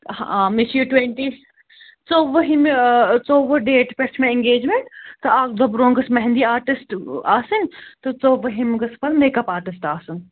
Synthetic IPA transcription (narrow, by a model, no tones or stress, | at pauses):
ha̰ːmisjuʈweɳʈiːs | t͡soːʋɐɦimt͡soːʋɐɖeːʈpeɾt͡ʃʰmẽɪ̃ŋɡeːd͡ʒmeɳʈt̪oaːk̚d̪ɐbɾõːŋɡɐsmɐɦnd̪iːaːɾʈisʈaːsɨnt̪ot͡soːʋɐɦimɡɐspɐɾneːkɐpaːɾʈisʈaːsun